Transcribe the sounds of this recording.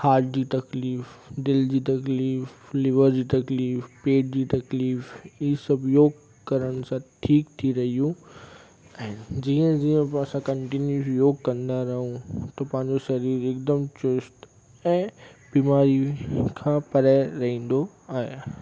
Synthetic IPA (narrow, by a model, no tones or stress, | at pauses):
haːd͡ʑd͡ʑiːt̪ɐkliːfd̪ɪld͡ʑiːt̪ɐkliːflɪʋəɾd͡ʑiːt̪ɐkliːfpeːʈ̚d͡ʑiːt̪ɐkliːfisɐbʱjoːɡ | kɐɾəɽ̃sãʈʰiːkt̪ʰiɾɐɦijũ | ɛ̃ːd͡ʑiːə̃d͡ʑiːə̃pɐsãkɐ̃ɳʈɪnjusjoːɡkɐ̃nd̪aɾɐɦũt̪ɐpɐ̃ɦɪ̃ɲ̆d͡ʑoʃɐɾiːɾɪk̚d̪əmt͡ɕʊsʈ | ɛ̃ːbiːmaːɾikʰãːpɐɾaɪɾɐɦĩːn̆d̪o | aːɦe